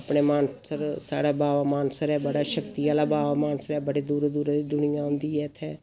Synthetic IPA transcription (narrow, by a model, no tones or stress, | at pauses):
əpɳeːmaːnsəɾsa̰ːɽaːbaːʋaːmaːnsəɾɛːbəɽaːʃəkt̪iaːlaːbaːʋamaːnsəɾɛːbəɽeːd̪uːɾd̪uːɾd̪iːd̪ʊnɪjãːɦʊ̃nd̪iːɛːt̪ʰeː